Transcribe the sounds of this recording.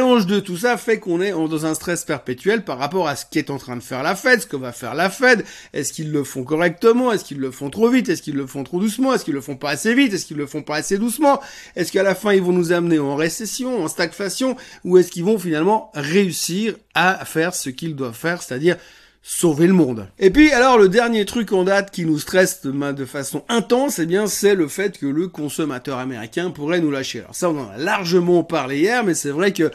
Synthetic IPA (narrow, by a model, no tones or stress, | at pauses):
lɑ̃ʒd̪ət̪us̬afɛkɔ̃nɛɑ̃d̪ɑ̃zɛ̃st̪χɛspɛʁpet̪ɥɛlpaʁːapɔʁasə̥kɛt̪ɑ̃t̪χɛ̃d̪əfɛʁlafɛd̪sə̥kəvafɛ̰ʁlafɛd̪ | ɛskilːəfɔ̃k̬ɔʁɛk̚t̪əmɑ̃ɛskilːəfɔ̃t̪χovit̪ɛskilːəfɔ̃t̪χod̪usmɑ̃ɛskilːəfɔ̃paːsevit̪ɛskilːəfɔ̃paːsed̪usmɑ̃ | ɛskalafɛ̃ilvɔ̃nuzamneɑ̃ʁesɛsjɔ̃ɑ̃st̪akfasjɔ̃uɛskilvɔ̃finalmɑ̃ʁeysiʁafɛʁsəkʲild̪wavfɛʁse̥t̪ad̪iʁ | soveləmɔ̃d̪epɥialɔʁləd̪ɛʁnjet̪χykɑ̃d̪at̪kʲinust̪χɛsd̪əmɛ̃d̪əfasɔ̃ɛ̃t̪ɑ̃sebjɛ̃sɛləfɛt̪kələkɔ̃sɔmat̪œʁameʁikʲɛ̃puʁɛnulaʃea̰lɔ̰ʁsaɔ̃nɑ̃na̰laʁʒəmɑ̃paʁlejɛʁmɛsɛvʁɛkə